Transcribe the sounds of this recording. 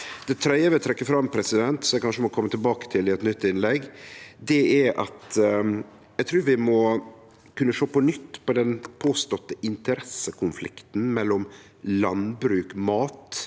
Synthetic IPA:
d̪̥ɛt̪ʰɾœɪəʋɛt̪ʰɾɛkːəfɾɑmːpʰɾɛsɪd̪ɛnt̪sɔjɛkɑnʂəmɔkʰɔmːət̪ʰɪlbɑːkə̥t̪ʰɪlɪɛt̪nʏt̪ːɪnlɛɡd̪ɛæɾʔɑ̰t̪ | jæt̪ʰɾʉːɾʋɪmɔ | kʰʉnːəʂoːpɔnʏt̪ːpʰɔd̪ɛnpʰoːst̪ɔt̪ːəʔɪnt̪əɾɛsːəkʰʊnflɪ̰kt̪n̩mɛlːɔm | lɑnbɾʉːkmɑːt̪

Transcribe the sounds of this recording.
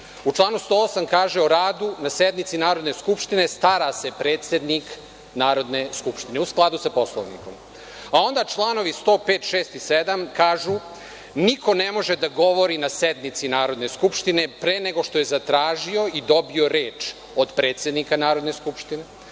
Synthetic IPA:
ut͡ʃlˠaːnust̪oːosamkaːʒeoɾaːd̪unased̪nit̪sinaːɾo̞d̪ne̞skupʃt̪ine̞st̪aɾase̞pɾeːt̪se̞d̪nik | naːɾo̞d̪ne̞skupʃt̪ine̞usklˠad̪usapo̞slˠo̰ʋnḭko̞m | ao̞nd̪at͡ʃlˠaːno̞ʋist̪o̞ːpeːt̪ʃe̞ːst̪ised̪amkaːʒu | niko̞nemo̞ʒed̪aɡo̞ʋo̞ɾinased̪nit̪sinaːɾo̞d̪ne̞skupʃt̪ine̞pɾeːneɡo̞ʃt̪o̞je̞zat̪ɾaːʒio̞id̪o̞bio̞ɾeːt͡ʃ | od̪pɾe̞ːt̪se̞d̪nikanaːɾo̞d̪ne̞skupʃt̪ine

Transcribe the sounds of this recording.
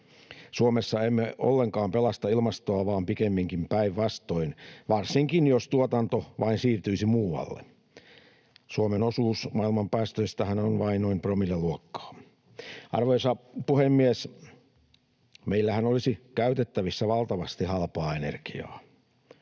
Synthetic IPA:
suomesːɑemːeo̰lːeŋkɑːmpelɑst̪ɑilmɑst̪oɑʋɑːmpikemːiŋkimpæiʋʋɑst̪oinʋɑrsiŋkinjost̪uot̪ɑnt̪oʋʔɑinsiːrt̪yisimuːɑ̰lːḛ | suomenosuːsmɑilmɑmpæːst̪øst̪æhænonʋɑinnoimpromilːeluokːɑ̥ː | ʔɑ̰rʋoisɑpuhemːies | meilːæhænolisikæyt̪et̪ːæʋisːæʋɑlt̪ɑʋɑst̪ihɑlpɑːenḛrkiɑ̰ː

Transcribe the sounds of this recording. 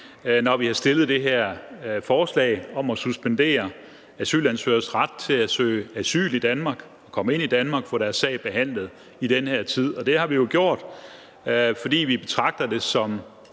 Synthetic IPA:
nɒʋihɑ̈sd̥e̝lð̩ˠd̥e̝ɦeɐ̰fɒːslɛ̰ːɪɒ̽mɒsusb̥end̥e̝̰ːɐ | æsy̰ːlænsøːɐsʁɑ̈d̥̚t͡sʰe̝læsø̰ːɪæsy̰ːlid̥ænmɑ̈ɡ̥ | ɒ̽kʰɒ̽məe̝n̰id̥ænmɑ̈ɡ̥fɒ̽ɾæɐsːɛ̰ɪb̥e̝ɦæn̰lð̩ˠ | id̥enheɐ̰t͡sʰið̞̰ˠɒ̽d̥e̝hɑ̈ʋijo̝ɡ̥jo̝ɐ̰d̥ | fɒ̽d̥ḭːʋib̥e̝t͡sʰʁɑ̈ɡ̥̚d̥ɐd̥e̝sɒ̽m

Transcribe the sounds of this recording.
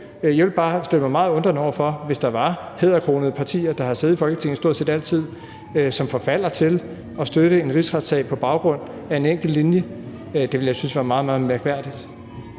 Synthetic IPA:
jaʋe̝lb̥ɑ̈ːsd̥e̝l̰əmɑmɑ̈ːð̞̩ˠɔ̽nd̥ɐnɒʊ̰ɐfɒ̽ʋe̝sd̥ɑ̈ʋɑ̈heð̰ˠɐkʰʁo̝ːnəð̞̩ˠəpʰɑ̈t͡sʰḭːɐd̥ɑ̈hɑðseːð̩ˠifɒ̽lɡ̥ət͡sʰe̝ŋn̩sd̥o̝ɐ̰̥se̝ːd̥æl̰t͡sʰið̞̰ˠ | sɒ̽mfɒ̽fæl̰ɐt͡sʰe̝l | ɒ̽sd̥øɾ̥əe̝nʁisʁad̥sɛ̰ːpʰɒ̽b̥ɑ̈ʊɡ̥ʁɔ̽n̰ | æe̝neŋ̰ɡ̥l̩ːinjə | d̥eʋe̝ljaɪsynsʋæːɐmɑ̈ːð̞̩ˠmɑːð̞̩ˠmeɐɡ̥ʋæɐ̰d̥id̥

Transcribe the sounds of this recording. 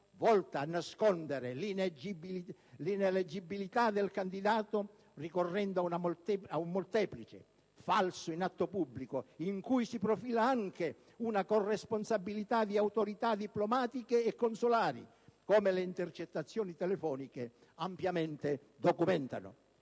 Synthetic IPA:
vɔlt̪aːnːaskond̪eɾelind͡ʒiblineled͡ʒːibːilit̪ad̪elkand̪id̪aːt̪o | rikorːɛnd̪oaunamaumːolt̪ɛːplit͡ʃḛ | falsʊinat̪ːopubːlikoiŋkujsipɾofiːlaaŋk̟e | unakorːɛsponsabːilit̪ad̪iawt̪oɾit̪ad̪iplomaːt̪ikeːkːonsolaːɾḭ | koːmeleint̪ert͡ʃet̪ːat̪sːjɔːnit̪ɛlefɔːnike | ampjament̪e | d̪okumɛnt̪a̰nʊ̰

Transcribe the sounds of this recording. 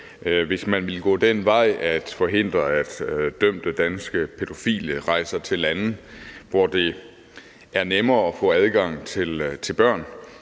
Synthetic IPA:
ʋe̝smænʋe̝lɡ̥ɔ̰ːd̥enʋɑ̈ɪ̰æd̥fɒ̽ɦe̝n̰d̥ʁɐæd̥d̥øm̰d̥əd̥ænsɡ̥əpʰe̝d̥o̝fḭːləʁɑ̈ɪsɐt͡sʰe̝lænð̩ʋɒd̥e̝ | ʔæɐnemɐːɒ̽fɔ̰̽ːæðˠɡ̥ɑ̈ŋ̰t͡sʰe̝lt͡sʰe̝lb̥ɶɐ̰n

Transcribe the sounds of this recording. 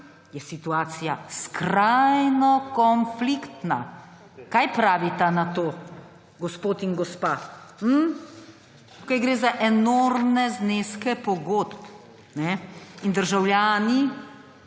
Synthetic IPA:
jɛsit̪uaːt̪sijaskɾajnɔkɔnflikt̪na̰ | kajpɾaːʋit̪anat̪oː | ɡɔspoːt̪inɡɔspaːm̩ | t̪ukajɡɾeːzaʔɛnoɾmnɛzneskɛpɔɡod̪p | nɛind̪əɾʒawljaːni

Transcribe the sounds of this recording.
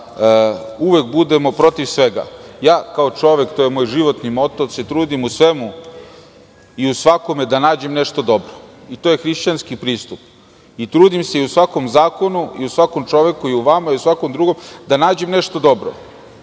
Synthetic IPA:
əuʋekbud̪emo̞pɾo̞t̪iʋsʋeɡa̰jaːkao̞t͡ʂo̞ʋe̞kt̪ojemoːjʒiʋo̞t̪nimo̞t̪ose̞t̪ɾuːd̪imusʋe̞mu | iusʋako̞med̪anaːd͡ʑe̞mneʂt̪o̞d̪o̞bɾoit̪ojexɾiʃt͡ɕanskipɾiːst̪up | it̪ɾuːd̪imse̞iusʋako̞mzaːko̞nuḭusʋakomt͡ʂo̞ʋe̞kuiuʋamaiusʋako̞md̪ɾuɡo̞md̪anaːd͡ʑe̞mneʂt̪od̪o̞bɾo̰

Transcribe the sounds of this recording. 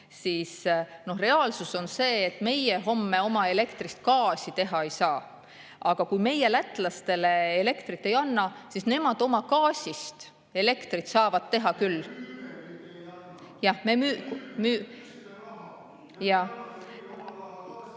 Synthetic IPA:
siːsno̞hre̞ɑːlsuso̞nse̞ːt̪ːˑme̞jeɦo̞mːe̞o̞mɑe̞le̞kt̪rist̪̚kɑːsit̪e̞ɦɑejsɑː | ɑɡ̥ɑkujme̞je̞læt̪ːˑlɑst̪e̞le̞ːle̞kt̪rit̪ˑːe̞jɑnːɑsisne̞mɑd̪̥o̞mɑkɑːsʲist̪ | e̞le̞kt̪rit̪sɑːvɑd̪̥̚t̪e̞ɦɑkylː | jɑmemyːkmy | jɑ

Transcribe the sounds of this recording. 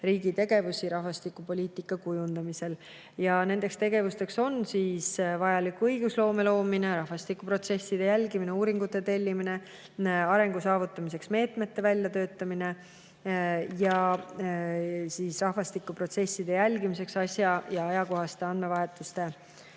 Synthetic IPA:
riːɡit̪e̞ɡ̥e̞vusiɾɑhvɑst̪ikːˑupo̞lʲiːt̪ˑikːˑɑkujund̪̥ɑmise̞l | jɑne̞nd̪̥e̞kst̪e̞ɡ̥e̞vust̪e̞kso̞nsiːsvɑjɑlikːuɤjɡ̥uslo̞ːme̞lo̞ːmine̞ɾɑhvɑst̪ikːupro̞t̪sesːid̪̥e̞jælʲɡimine̞uːɾiŋɡ̥ut̪ːˑe̞t̪e̞lʲːimine̞ | ɑɾe̞ŋɡ̥usɑːvut̪ːˑɑmis̬e̞ksme̞ːt̪me̞t̪ːe̞vælʲjɑt̪ø̞ːt̪ːˑɑmine̞ | jɑ | siːsrɑhvɑst̪ikːˑupro̞t̪se̞sːid̪̥e̞jælʲɡimise̞ksɑsʲjɑjɑɑjɑko̞ɦɑst̪e̞ɑnd̪me̞vɑɦe̞t̪ːˑust̪e̞

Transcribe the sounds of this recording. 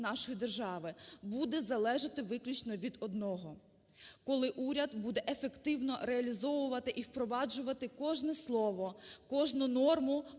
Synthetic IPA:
nɑʃɔjid̪erʒɑʋɪbud̪ɛzɐlˠɛʒɪt̪ɪʋɪklʲut͡ʃnɔʋʲid̪ɔd̪nɔɦɔ | kɔlˠɪʔuɾʲɐd̪bud̪ɛʔefekt̪ɪwnɔɾeɐlʲizɔʋʊʋɐt̪ɪʔiwpɾɔʋɑd͡ʒʊʋɐt̪ɪkɔʒnɛslˠɔʋɔkɔʒnʊnɔrmʊ

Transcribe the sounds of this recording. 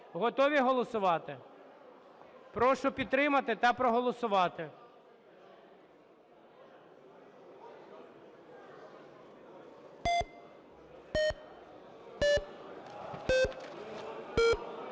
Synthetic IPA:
ɦɔt̪ɔʋʲiɦɔlˠɔsʊʋɑt̪ɪ | pɾɔʃʊpʲid̪t̪ɾɪmɐt̪ɪt̪ɐpɾɔɦɔlˠɔsʊʋɑt̪ɪ

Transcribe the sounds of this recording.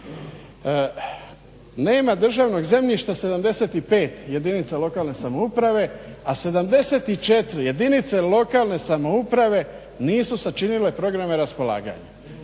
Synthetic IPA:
ne̞ːmad̪r̩ʒaʋno̞ɡze̞mʎiʃt̪ase̞d̪amd̪e̞se̞t̪ipe̞ːt̪je̞d̪init̪salˠo̞kaːlˠne̞samoupɾaʋe̞ase̞d̪amd̪e̞se̞t̪it͡ʃe̞t̪ɾje̞d̪init̪se̞lo̞kaːlˠne̞samo̞upɾaʋe̞ | niːsusat͡ʃinile̞pɾo̞ɡɾameɾaspo̞la̰ːɡa̰ɲa

